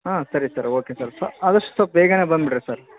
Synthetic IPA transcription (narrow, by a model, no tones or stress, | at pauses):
aːsɐɾisɐɾoːkesaːɾsɐɐd̪ɐʂʈu̥sɐpːeːɡɐneːbɐnd̪bɪʈːɐsaːɾ